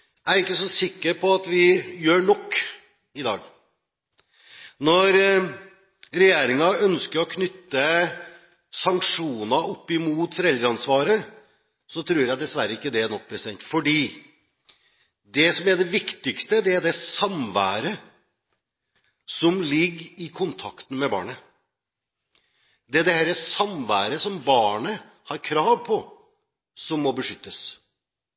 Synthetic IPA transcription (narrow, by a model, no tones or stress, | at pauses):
æɾɪkːəsɔsɪkːəɾpʰɔɑt̪ʋɪjøːɳɔkː | ɪd̪ɑ̰ːɡ | nɔɾ | ɾɛjeːɾɪŋɑœnskəɾɔkʰnʏt̪ːə | sɑŋkʂuːnɑɔpːɪmuːt̪fɔɾɛld̪ɾəɑnsʋɑːɾə | sɔt̪ʰɾuːɾjæɪd̪ɛsʋæɾːəɪkːəd̪ɛænɔk̚ːpʰɾɛsɪd̪ɛ̰nt̪fɔɖiː | d̪ɛsɔmæɖɛʋɪkt̪ɪkst̪əd̪ɛæɖ̪ɛsɑmʋæ̰ːɾə | sɔmlɪɡːɪkʰʊnt̪ʰɑkt̪n̩mɛbɑ̰ːɳə | d̪ɛæd̪ɛhɛɾɛsɑmʋæːɾəsɔmbɑːɳə | hɑɾkʰɾɑːʋpʰɔ | sɔmːɔbəʂʏt̪ːəs